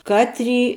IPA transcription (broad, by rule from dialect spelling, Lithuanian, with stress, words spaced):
ˈkɑːtʲˌrʲiː